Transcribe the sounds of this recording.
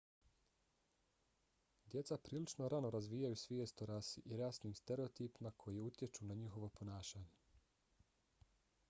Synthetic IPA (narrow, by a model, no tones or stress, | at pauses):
d̪je̞t̪sapɾiːlit͡ʃnoɾano̞ɾazʋiːjajusʋijest̪oɾasiʔiɾasniːmst̪eɾe̞ot̪iːpimakʰo̞jiut̪je̞t͡ʃunaɲixo̞ʋo̞po̞naːʃaːɲe̞